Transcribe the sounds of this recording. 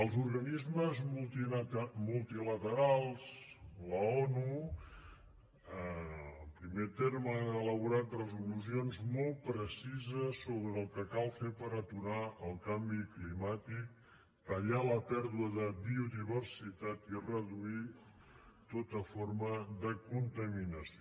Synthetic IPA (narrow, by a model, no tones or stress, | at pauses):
əlˠzuɾɣənizməzm | mulˠt̪ilət̪əɾalˠzləɔnu | əəmpɾimet̪eɾmanələβuɾat̪ləzuluzionzmɔlˠpɾəsizəsːoβɾəːlˠkəkalˠfepəɾət̪uɾaəlˠkambiklimat̪ik̚ | t̪əʎaləpɛɾðuəðəbiuðiβəɾsit̪at̪irəðui | t̪ot̪əfoɾməðəkunt̪əminəs